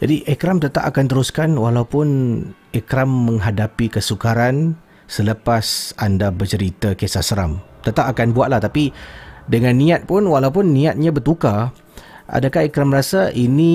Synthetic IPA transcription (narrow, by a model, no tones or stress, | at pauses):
d͡ʒadiʔekɾamt̪ət̪aʔakant̪əɾuskanwalaupʊn | ekɾamːə̃ŋɦadapikəsukaɾan | sələpasandabərt͡ʃəɾit̪akesasəɾa̰mt̪ət̪aʔakanbuaʔ̪laht̪apidəŋãnːĩat̪̚pʊnwalaup̬ʊnːĩat̪̚ɲãbərt̪uka | ʔa̰dakahekɾaməɾasaʔini